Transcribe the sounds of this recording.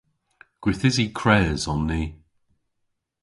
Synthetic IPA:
ɡ̥wɪθɪzikʰɹɛːzɔnːiː

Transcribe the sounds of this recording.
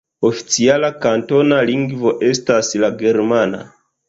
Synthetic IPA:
ofi̥t͡sialakanto̞naliŋɡvoʔestaslaɡeɾmana̰

